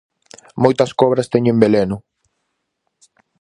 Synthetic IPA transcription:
mojt̪ɐskɔβɾɐst̪eɲʊembelenʊ

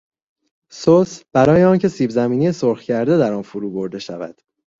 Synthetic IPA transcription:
sosb̥æɾɒːjeɒːncʰe̞siːbzæmiːniːjesoɾxcʰæɾd̪e̞d̪æɾɒːnfuɾuːbo̞ɾd̪e̞ʃævæ̰d̪̥

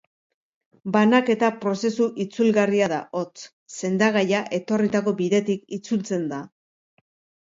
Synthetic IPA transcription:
banake̞t̪apɾo̞se̞suʔit͡sulɣariaða̰ʔo̞t͡s | se̞nd̪aɣ̞ajaʔe̞t̪o̞rit̪ako̞biðe̞t̪ikit͡sult͡se̞nd̪a

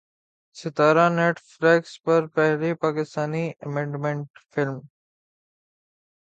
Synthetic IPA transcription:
sɪt̪aːɾãneːʈfɾɛːkspɐɾpɛɦɾepaːkɪst̪aːniʔɐmẽːɳɖmẽɳʈfɪlm

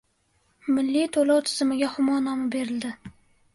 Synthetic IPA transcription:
mɪlːit̪ʰolowt̪ʰɪzɪmɪɡʲaχʊmɒnɒmabe̞ɾɪld̪ɪ

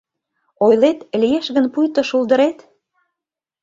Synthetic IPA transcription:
ojlet̪lijeʃɣənpujt̪ə̆ʃuld̪əɾet̪

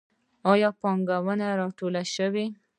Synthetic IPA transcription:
ɑjɑpɑŋɡawənaɾɑʈolaʃəwi

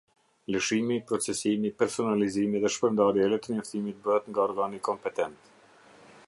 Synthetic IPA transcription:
ləʃimipɾɔt͡sɛsimipɛɾsɔnalizimiðɛʃpəɾnd̪aɾjɛlɛt̪ənɔft̪imit̪̚bəhɛt̪ŋɡaɔɾɡanikɔmpɛt̪ɛnt̪

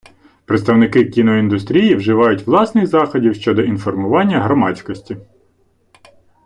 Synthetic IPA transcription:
pɾet̪st̪ɐwnɪkɪkʲinɔind̪ʊst̪ɾʲijiwʒɪʋɑjʊtʲʋlˠɑsnɪxzɑxɔdʲiwʃt͡ʃɔd̪ɔinfɔrmʊʋɑnʲːɐɦɾɔmɑt͡sʲkɔsʲtʲi

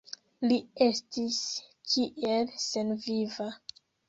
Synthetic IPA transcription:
lie̞stiskʰiʔelse̞nviva

